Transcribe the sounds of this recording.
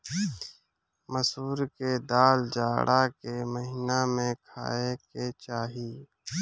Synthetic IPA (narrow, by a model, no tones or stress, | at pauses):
məsuːɾked̪aːld͡ʒaːɽʔakeməɦinamẽkʰa̰ːeket͡ʃaːɦiː